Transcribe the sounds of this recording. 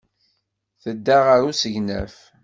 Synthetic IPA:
θəd̪ːaʁəɾusəʝnæ̰f

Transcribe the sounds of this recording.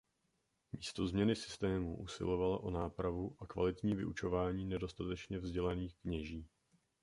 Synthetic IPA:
mḭːst̪o̞zmɲɛnɪsɪ̥st̪ɛːmṵʔṵsɪ̰lo̞valaʔonaːpɾavuʔakva̰lɪt̪ɲiːvɪ̰ʔut͡ʃo̞vaːɲiːnɛdo̞st̪at̪ɛt͡ʃɲɛvzɟɛlaniːxkɲɛʒiː

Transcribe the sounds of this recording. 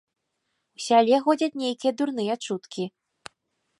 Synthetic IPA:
usʲalʲɛxɔd͡zʲɐt͡sʲnʲejkʲijɛd̪urnɨjɐt͡ʂut̪kʲi

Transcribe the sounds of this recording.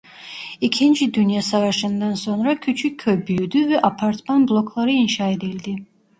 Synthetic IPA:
icʰind͡ʒid̪ynjasavaʃɯnd̪anso̞nɾacʲʰyt͡ʃʰykʲʰːøbyjyd̪yvɛʔapʰaɾt̪manblˠo̞kʰlˠaɾɯinʃaːed̪ilʲd̪i

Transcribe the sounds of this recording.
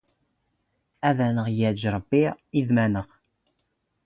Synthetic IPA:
æðænəʁjəʕʒɾˤəbːiiðmænəʁ

